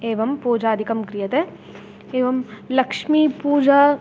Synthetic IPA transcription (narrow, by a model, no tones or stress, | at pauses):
eːʋɐmpoːd͡ʒaːd̪ʱikɐmkɾijɐt̪e | eːʋɐmlɐkʂmipuːd͡ʒa